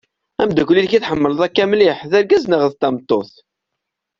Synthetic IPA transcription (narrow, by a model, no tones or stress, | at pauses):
æmd̪ækʷlːilçiθħəmːəlðˤækːæmliħðæɾɡæznəʁəðt̪ːɑmt̪ˤːoθ